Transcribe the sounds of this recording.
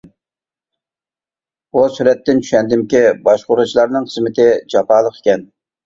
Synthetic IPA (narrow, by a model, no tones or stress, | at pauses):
busyɾɛt̪ːɪnt͡ʃʰy̥ʃɛnd̪ɪmkʲibɑʃqʊɾut͡ʃʰilˠɑɾnɨŋχʰəzmɪt̪ʰɪd͡ʒɑpʰɑːlˠəqe̥kʲɛn